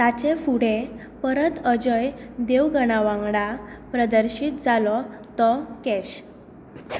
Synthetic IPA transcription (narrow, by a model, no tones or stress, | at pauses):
t̪at͡ɕefuɽe | pəɾət̪əd͡ʑəjd̪eʋɡəɽ̃aʋãŋɡɽapɾəd̪əɾɕit̪̚d͡zalɔt̪ɔkɛɕ